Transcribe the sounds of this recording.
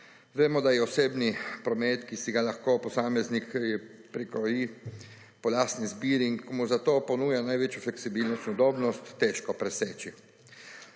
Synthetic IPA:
ʋeːmɔd̪ajɛɔseːbnipɾɔmeːt̪kisiɡalaxkopɔsaːmɛznikjɛ | pɾikɾɔji | pɔlaːsnizbiːɾiŋkmuzat̪oːpɔnuːjanajʋeːt͡ʃjuflɛksibilnɔst̪nud̪oːbnɔst̪ːeʃkɔpɾɛseːt͡ʃi

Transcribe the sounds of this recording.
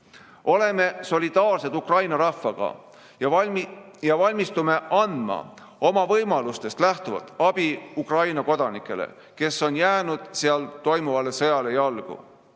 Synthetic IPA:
o̞le̞me̞so̞lʲid̪̥ɑːrse̞t̪ukrɑjnɑɾɑfːɑɡ̥ɑ̰ | jɑvɑlʲmist̪ume̞ʔɑnd̪̥mɑ̰ | o̞mɑvɤjmɑlust̪e̞st̪læht̪uvɑ̰t̪ːˑɑb̥iukrɑjnɑko̞d̪̥ɑnikːˑe̞̰lḛ | ke̞sːo̞njæːnud̪̥seɑlt̪o̞jmuvɑlːe̞sɤjɑle̞jɑlɡ̥ṵ

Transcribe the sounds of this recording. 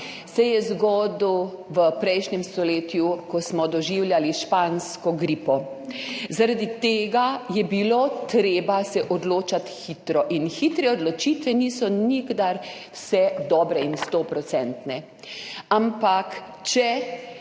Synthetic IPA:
sɛjɛzɡɔd̪uʋəpɾɛjʃnɲɛmst̪ɔleːt̪jukɔsmɔd̪ɔʒiwljaliʃpanskɔɡɾipɔ | zaɾad̪it̪eːɡajɛbilot̪ɾeːbasɛʔɔd̪loːt͡ʃat̪xit̪ɾɔʔinxit̪ɾɛɔd̪lɔt͡ʃit̪ʋɛnisɔniɡd̪aɾwsɛd̪ɔːbɾɛinst̪opɾɔt̪sɛnt̪nɛ | ampak | t͡ʃɛ

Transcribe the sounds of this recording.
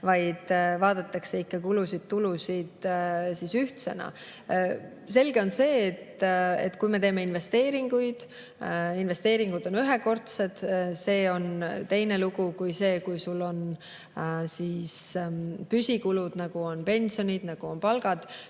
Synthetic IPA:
vɑjd̪̥vɑːd̪̥ɑt̪ːˑɑkseikːɑkulusid̪̥̚t̪ulusid̪̥sisyht̪se̞̰nɑ̰ | se̞lɡe̞o̞nse̞ːt̪ːe̞̰t̪ːˑkujme̞t̪e̞ːme̞inve̞st̪e̞ːɾiŋɡ̥ujd̪̥ | inve̞st̪eːɾiŋɡ̥ud̪̥o̞nyɦeko̞rt̪sed̪̥se̞ːo̞nt̪e̞jne̞luɡ̥ukujse̞ːkujsulːo̞n | siːspysʲikulud̪̥nɑɡ̥uo̞npe̞nʲsio̞nʲid̪̥nɑɡ̥uo̞npɑlɡ̥ɑd̪̥

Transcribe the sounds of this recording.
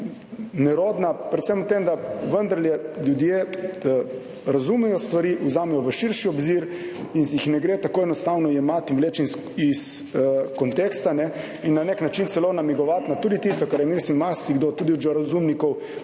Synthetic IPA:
nɛɾoːd̪napɾɛt̪semut̪emd̪aʋənd̪ɐɾljɛljud̪je | ɾazumɛjɔst̪ʋaɾiːʔuzaːmɛjɔʋəʃiɾʃiɔbziɾinsjixnɛɡɾet̪akoːɛnɔst̪awnɔjɛmat̪inʋleːt͡ʃins | is | kɔnt̪ekst̪anɛ | inːaneknat͡ʃint̪sɛlonamiɡɔʋat̪nat̪ud̪it̪ist̪ɔkaɾjɛmilsimmaɾst̪iɡd̪ot̪uːd̪iud͡ʒɔɾazumnikɔw

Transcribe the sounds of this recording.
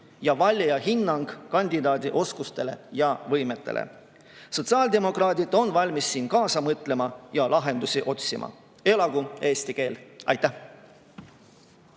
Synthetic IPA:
jɑvɑlʲjjɑɦinːɑŋɡ̥kɑnʲd̪̥ʲid̪ɑːd̪̥ʲiʔo̞skust̪e̞le̞̰jɑvɤjme̞t̪ːˑe̞̰lʔḛ | so̞t̪sɑːld̪e̞mo̞krɑːd̪̥id̪̥o̞nvɑlʲmisːiːnkɑːsɑmɤt̪ˑle̞mɑjɑlɑɦe̞nd̪usiʔo̞t̪ʲsimʔɑ̰ | e̞lɑɡ̥ue̞ːst̪ike̞ːlɑ̰jt̪ːˑæ

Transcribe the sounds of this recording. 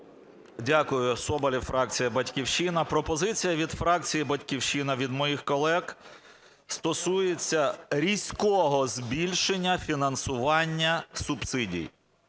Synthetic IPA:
dʲakʊjʊsɔbɐlʲifɾɑk̚t͡sʲijɐbɐtʲkʲiwʃinɐpɾɔpɔzɪt͡sʲijɐʋʲid̪fɾɑkt͡sʲijibɐtʲkʲiwʃinɐʋʲid̪mɔjixkɔlˠɛx | st̪ɔsujet͡sʲːɐɾʲisʲkɔɦɔzbʲilʲʃenʲːɐfʲinɐnsʊʋɑnʲːɐsʊbsɪdʲḭj

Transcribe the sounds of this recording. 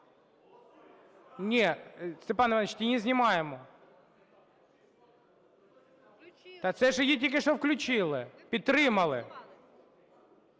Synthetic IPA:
nʲest̪epɑnɐʋɑnt͡ʃt̪ʲinʲɪzʲnʲɪmɑjemɔ | t̪ɐt̪sɛʒjitʲikʲɪʂɔfklʲʊt͡ɕilˠɪpʲid̪̚t̪ːɾɪmɐlˠɪ̰

